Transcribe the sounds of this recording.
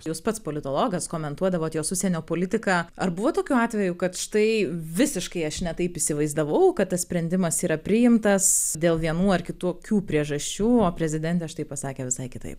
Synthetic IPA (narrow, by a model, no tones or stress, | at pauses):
juːspɐt̪spoːlʲɪt̪oːlˠoːɡɐskoːmʲɛnt̪uɔd̪ɐʋoːt̪joːsʊsʲɛnʲoːpoːlʲɪt̪ʲɪkɑːɐrbʊʋoːt̪oːkʲuːɑːt̪ʲʋʲɛjukɐt̪ʃɪ̥t̪ɐɪʋʲɪsʲɪʃkɐɪɐʃnʲɛt̪ɐɪpɪsʲɪʋɐɪzd̪ɐʋɐʊkɐt̪t̪ɐsʲpʲɾʲɛnʲd̪ʲɪmɐsiːɾɐpʲɾʲɪjɪmt̪ɐsd̪ʲeːlˠʋʲiɛnuːɐrkʲɪt̪uːkʲuːpʲɾʲiɛʒɐʃʲt͡ʃʲuːoːpʲɾʲɛzʲɪd̪ʲɛnʲt̪ʲɛʃt̪ɐɪpɐsɑːkʲeːʋʲɪsɐɪkʲɪt̪ɐ̰ɪp